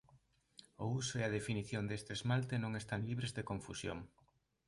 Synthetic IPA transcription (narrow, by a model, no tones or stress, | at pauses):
ʊusʊeað̞efiniθjond̪est̪eezmalt̪enõŋest̪aŋliβɾezðekoɱfusjo̰ŋ